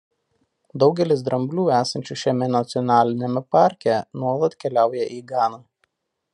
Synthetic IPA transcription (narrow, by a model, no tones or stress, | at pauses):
d̪ɒʊɡʲɛlʲɪs̬d̪ɾɐmʲbʲlʲuːæːsɐnʲt͡ʃʲuːˑʃʲɛmʲɛnɐt̪sʲɪɔnɑːlʲɪnʲɛmʲɛpɑˑɾʲkʲɛnuɔlˠɐt̪kʲɛlʲæˑʊjɛʔiːɡɑːnoː